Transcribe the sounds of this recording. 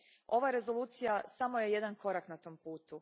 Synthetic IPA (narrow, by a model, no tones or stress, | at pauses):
o̞ʋaɾe̞zolˠuːt̪sijasamo̞je̞jed̪ankʰo̞ɾaknat̪o̞ːmpuːt̪u